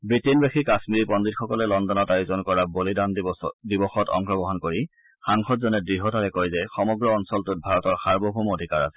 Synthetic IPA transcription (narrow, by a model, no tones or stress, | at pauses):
bɹitinbexikasmiɹipɔnditxɔkɔlɛlɔndɔnɔtajʊzɔnkɔɹabolidandibɔxɔtɔ̰ŋkɹɔɡɔɦɔnkoɹi | xaŋxɔtzɔnɛdɹiɦɔtaɹɛkojzɛxɔmɔɡɹɔːnsɔltʊt̚bʱaɹɔtɔɹxaɹbɔbʱumodʱikaɹa̰sɛ̥